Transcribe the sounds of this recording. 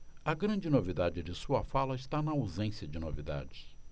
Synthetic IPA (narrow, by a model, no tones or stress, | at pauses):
ɐɡɾɐ̃d͡ʒɪnovid̪ad͡ʒɪd͡ʒɪsuɐfalɐɪʃt̪anɐawzẽsjɐd͡ʒɪnovid̪a̰d͡ʒɪs